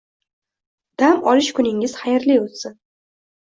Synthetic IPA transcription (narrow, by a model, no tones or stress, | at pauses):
d̪̥amɒlɪʃkʰʊnɪŋɪz̥χajɪɾliot̪sɪn